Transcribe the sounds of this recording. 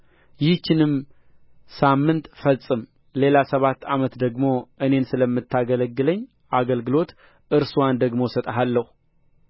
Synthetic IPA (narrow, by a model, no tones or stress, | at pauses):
jɪht͡ʃːɪnɨm | samːɨnt̪fəsʼɨm | le̞lasəβat̪ːamət̪d̪əɡmo̞ʔɨne̞nsɨləmːɨt̪ːaɡələɡːɨləɲː | ʔaɡəlɡɨlo̞t̪ | ʔɨɾsuwand̪əɡmo̞sət̪ʼɦalːəhu